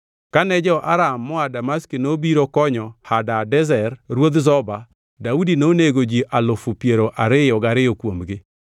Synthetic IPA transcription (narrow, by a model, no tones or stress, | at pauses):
kanɛd͡ʒɛɔʔaɾamːɔadamaskinobiɾokɔɲɔhadadɛzɛrɾwod̪zɔba | daudinoneɡod͡ʒiʔalʊfʊpjeɾoʔaɾɪjɔɡaɾɪjokwomɡɪ